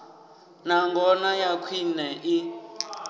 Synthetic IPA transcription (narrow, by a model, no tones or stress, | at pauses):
naŋɡɔnajakʰwinɛʔi